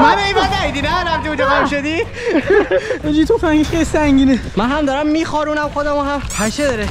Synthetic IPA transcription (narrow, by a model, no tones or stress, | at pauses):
mæbeimd̪æid̪inænæmt̪iud͡ʒebamʃod̪i | ed͡ʒit̪ʰofæŋɡeʃxejlisæŋɟiːnemænɦæmd̪ɒːɾæmːiːxɒɾuːnæmxod̪æmuɦæmpʰæʃed̪ɒːɾe